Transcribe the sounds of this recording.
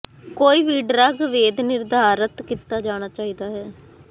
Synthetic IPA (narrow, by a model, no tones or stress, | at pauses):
koːiːʋiːɖɾaːɡʋeːd̪nɪɾd̪ʱaːɾət̪kit̪ːaːd͡ʒaːɽ̃aːt͡ʃaːiːd̪aːɦɛː